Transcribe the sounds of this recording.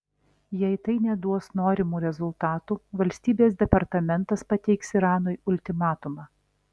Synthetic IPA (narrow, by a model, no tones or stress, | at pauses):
jɛɪt̪ɐɪnʲɛd̪uɔsnoːɾʲɪmuːɾʲɛzʊlˠt̪ɑːt̪uːʋɐlʲsʲt̪ʲiːbʲeːs̬d̪ʲɛpɐɾt̪ɐmʲɛnt̪ɐspɐt̪ʲɛɪksiɾɑːnojʊlʲt̪ʲɪmɑːt̪ʊmɑː